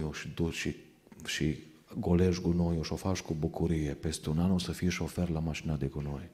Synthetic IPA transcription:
joʃid̪uʃi | ʃi | ɡoleʒɡunojoʃofaʃkubukʰuɾijepest̪unanosəfiʃoferlamaʃinad̪eɡunoj

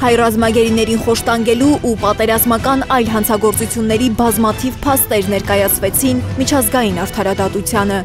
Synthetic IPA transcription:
hɑjrɑzmɑɡɛɾinɛɾinχɔʃt̪ɑŋɡɛluʔupɑt̪ɛɾɑzmɑkɑnɑjlɦɑnt͡sʰɑɡɔɾt͡sut͡sʰjunːɛɾibɑzmɑt̪ʰivpʰɑst̪ɛɾnɛɾkɑjɑt͡sʰvɛt͡sʰinmit͡ʃʰɑzɡɑjinɑɾt̪ʰɑɾɑd̪ɑt̪ut͡sʰjɑnə

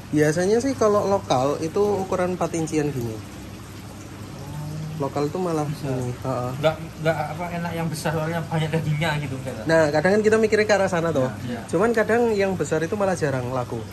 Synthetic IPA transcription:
b̥ias̬aɲasɪhkalolokalit̪uːkuɾanpat̪iɲt͡ʃianɡiɲa | lokalit̪umalahaniɔʔɔŋɡaʔŋɡaʔapaenakjaŋbəsarɾaɲab̥aɲak̚daɡiɲaɡit̪ukat̪anahkadaŋank̬it̪amikiɾekəaɾasanat̪oht͡ʃumankadaŋjaŋbəsaɾit̪umalahd͡ʒa̤ɾaŋlaɡ̥u

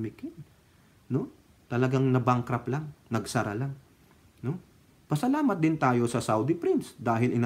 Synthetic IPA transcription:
mɪkɪn | no̞ | t̪ɐlɐɡaŋnɐbaŋkɾɐplaŋnɐɡsɐɾa̰laŋ | no | pɐsɐlaːmɐt̪̚d̪ɪnt̪aːjo̞sɐsawd̪ɪpɾɪnsd̪aːɦɪlʔɪna

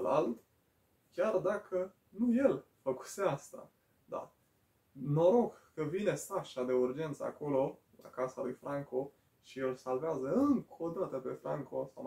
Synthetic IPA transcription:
lald̪ | kʲjard̪akʰə | nuje̞l | fəku̥seast̪a̰ | d̪a̰ | no̞ɾo̞ɡkəvine̞saʃad̪e̞urd͡ʒe̞nt̪sə̰a̰ko̞lo̞ | la̰kasalujfɾʔaŋko̞ | ʃielsalveazəɨŋkʰo̞d̪at̪əpe̞fɾaŋko̞saw

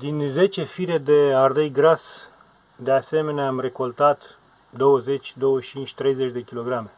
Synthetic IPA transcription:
d̪inze̞t͡ʃe̞fiɾe̞d̪e̞ard̪ejɡɾas | d̪e̞ase̞me̞neaːmre̞ko̞lt̪at̪ | d̪o̞wəze̞t͡ʃʲd̪o̞wəʃt͡ʃint͡ʃʲt̪ɾe̞jze̞t͡ʃʲd̪e̞kʲilo̞ɡɾame̞

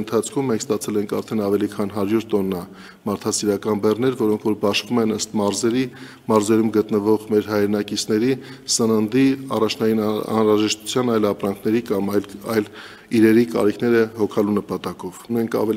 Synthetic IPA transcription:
ənt̪ʰɑt͡sʰkʰumːɛŋkʰst̪ɑt͡sʰɛlɛŋkʰɑ̰ɾt̪ʰɛnɑvɛlikʰɑnɦɑɾjuɾt̪ɔnːɑ | mɑɾt̪ʰɑsiɾɑkɑnbɛrnɛɾvɔɾɔŋkʰvɔɾbɑʃvumɛnəst̪mɑɾzɛɾi | mɑɾzɛɾumɡət̪nəvɔʁmɛɾɦɑjɾɛnɑkit͡sʰnɛɾisənənd̪iɑ̰rɑt͡ʃʰnɑjinɑ̰nɾɑʒɛʃt̪u̥t͡sʰjɑnɑjlɑpɾɑŋkʰnɛɾikɑmɑlɑjl | iɾɛɾikɑ̰ɾikʰnɛɾəhɔkʰɑlunəpɑt̪ɑkɔvunɛŋkʰɑ̰vɛ

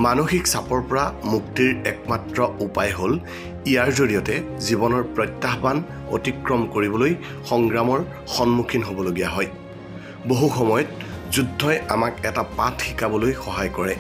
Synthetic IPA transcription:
manoxiksapɔɹpɔɹamuktiɹɛk̚matɹɔupajɦol | ijaɹzoɹijɔtɛ | zibɔnɔɹpɹɔjtːaɦban | o̰tikɹɔmkoɹibɔloj | xɔŋɡɹamɔɹ | xɔnmukʰinɦobɔloɡijaɦɔj | boɦuxɔmɔjɔtzudʱːɔjamakɛtapatʰxikabɔlojxɔɦajkɔɹɛ

